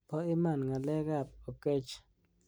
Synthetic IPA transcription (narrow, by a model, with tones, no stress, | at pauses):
po˦i˦ma˦˨nŋa˨le˦ɡa˦˨p̚o˨ke˦t͡ʃ